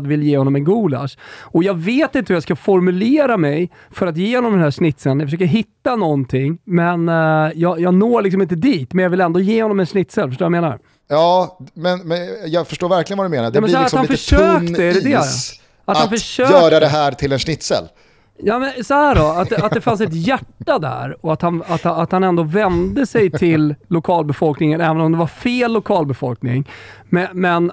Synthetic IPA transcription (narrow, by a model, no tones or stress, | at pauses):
d̪vɪljeːhɔnːɔmɛnɡuːla̰ʂɔjɑːɡveːt̪ɪnt̪əhɵjɑskafɔɾmɵleːɾamɛj | fœɾat̪jeːhɔnɔmd̪ɛnæːʂnɪt̪ːsɛlːnjɑfəʂøːkəɾɦɪt̪ːanɔnt̪ʰɪŋːmɛnjɑːjɑːɡnoːɭɪksɔmɪnt̪əd̪iːt̪mɛnjɑvɪlɛnd̪oːjeːhɔnːɔmɛnʂnɪt̪sɛlːfœʂʈoːɾjameːna̰ɾ | jɑːmɛnmɛjɑːfœʂʈoːɾvæɾklɪɡənvad̪ɵmeːnaɾɖɛmɛnssɔhæɾatshafœʂøːk̪d̪ɛɛɖɛd̪ɛ | at̪hanfœəʂøːœːɾad̪ɛɦæːɾt̪ʰɪlɛnʂnɪt̪sɛ̰lː | jɑːmɛnsɔhæːɖɔat̪̚d̪ɛat̪d̪ɛfans̬ɛt̪jæʈːad̪æ̰ɾɔat̪hanat̪at̪hanɛnd̪oːvɛnd̪əsɛjt̪ʰɪlːʊkʰɑːlbɛfɔlknɪŋənɛːvənɔmd̪ɛvaɾfeːlːʊkʰɑːlbɛfɔlknɪ̰ŋ | mɛmɛn